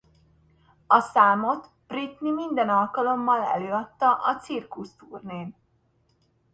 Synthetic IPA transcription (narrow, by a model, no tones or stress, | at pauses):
ɒsaːmo̞t̪ | b̥rit̪nimind̪ɛnɒlkɒlo̞mːɒlɛ̰løːɒt̪ːɒʔɒt̪sirkust̪uːrneːn